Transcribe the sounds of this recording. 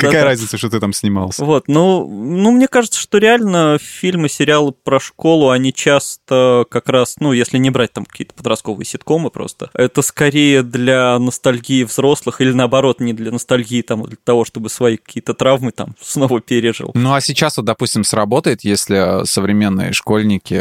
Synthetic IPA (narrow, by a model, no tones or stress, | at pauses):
kakajəɾazʲnʲɪt̪əʂt̪ot̪ɨt̪amsʲnʲɪma̰lˠsʲəvo̞t̪nunumnʲekaʐɨt̪sə̥ʂt̪oɾʲɪalʲnəfʲilʲmɨsʲɪɾʲɪalˠɨpɾɐʂko̞lˠʊɐnʲit͡ɕast̪əkɐkɾasnujesʲlʲɪnʲɪbɾat̚ʲt̪amkɐ̥kʲḭːət̪ə̥pəd̪ɾɐst̪̚ko̞vɨ̰jəsʲɪt̪ko̞mɨpɾo̰st̪əɛt̪əskɐɾʲejəd̪lʲanəst̪ɐlʲɡʲiːvzɾo̞slˠɨxilʲɪnəɐbɐɾo̞t̪nʲɪd̪lʲənəst̪ɐlʲɡʲiːt̪amd̪lʲət̪ɐvo̞ʂt̪o̞bɨsvɐikɐ̥kʲʰijət̪ət̪ɾavmɨt̪a̰msno̞vəpʲeɾʲɪʐɨ̰lˠnuɐsʲɪt͡ɕasot̪̚d̪ɐpusʲtʲɪmsrɐbo̞t̪əjɪt̪jesʲlʲɪsəvɾʲɪmʲe̞nːɨ̰jə̰ʂko̞lʲnʲɪkʲɪ